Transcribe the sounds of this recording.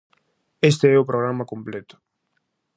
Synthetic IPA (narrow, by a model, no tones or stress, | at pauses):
est̪eɛupɾoɣ̞ɾamakomplet̪ʊ̥